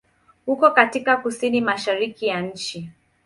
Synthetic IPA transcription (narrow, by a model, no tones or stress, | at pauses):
hukɔkatikakusinimaʃaɾikijanɲ̩t͡ʃi